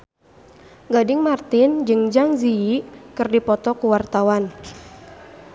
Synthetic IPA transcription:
ɡadɪŋmart̪ɪnd͡ʒɨŋd͡ʒaŋziikɨrdipɔt̪ɔkuwart̪awan

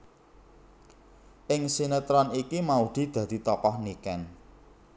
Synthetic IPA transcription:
ʔɪŋsinət̪ɾɔnikimaud̪̥i̤d̪̥ä̤d̪̥i̤t̪ɔkɔhnikɛn

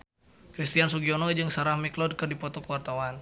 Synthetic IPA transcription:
kɾist̪ians̬uɡiɔnɔd͡ʒɨŋsaɾahmɛklɔd̚kɨrdipɔt̪ɔkəwart̪awan

